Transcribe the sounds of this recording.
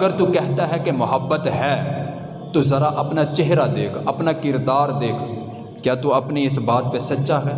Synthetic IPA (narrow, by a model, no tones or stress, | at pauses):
ɡəɾt̪uːkɛɦt̪aːɦɛːkemʊɦəbːət̪ɦɛː | t̪oːzəɾaːʔəpnaːt͡ʃɪɦɾaːd̪eːkʰəpnaːkɪɾd̪aːɾd̪eːkʰ | kjaːt̪uːəpneːɪsbaːt̪̚peːsətːʃaːɦɛː